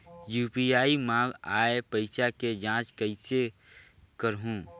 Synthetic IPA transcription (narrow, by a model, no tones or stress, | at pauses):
juːpiaːimãːɡaːepəɪʃaked͡ʒãːt͡ʃkəɪse | kəɾɦũː